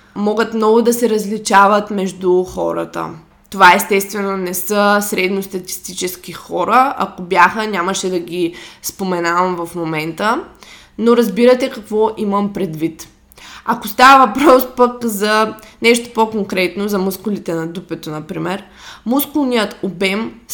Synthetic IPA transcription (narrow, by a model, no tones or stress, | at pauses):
mɔɡət̪mnɔɡʊd̪ɐsɛɾɐzlit͡ʃavɐt̪mɛʒd̪uxɔ̰ɾə̰t̪ə̰ | t̪ovaɛst̪ɛst̪vɛnonɛsəsɾɛd̪nost̪ɐt̪i̥st̪it͡ʃɛskixɔɾəɐ̰kobjaxənʲaməʃɛd̪ɐɡispomɛnavɐmvɐfmomɛnt̪ə | noɾɐzbiɾɐt̪ɛkɐkvɔʔiməmpɾɛd̪vit̪ | ɐkost̪avəvɐpɾɔspəkzɐ | nɛʃt̪o̥pokoŋkɾɛt̪nozɐmuskʊlit̪ɛnɐd̪upɛt̪onɐpɾimɛɾ | muskʊlˠnijət̪obɛm